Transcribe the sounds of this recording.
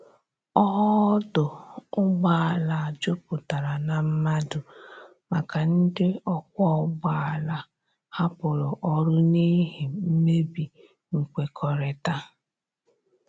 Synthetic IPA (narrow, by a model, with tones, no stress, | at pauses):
ɔ˦ɦɔ˦dʊ˨ʊ˦ɡ͡ba˨a˨la˨d͡ʒʊ˦pʊ˨ta˨ɾa˨na˨m̩˦ma˦dʊ˨ | ma˨ka˨n̩˦dɪ˦ɔ˦kʷɔ˦ɡ͡ba˦a˨la˨ | ha˦pʊ˨ɾʊ˨ʔɔ˦ɾʊ˦ni˦ɦe˨m̩˦me˦bi˨ | ŋ̩˨kʷe˨kʰɔ˨ɾe˨ta˦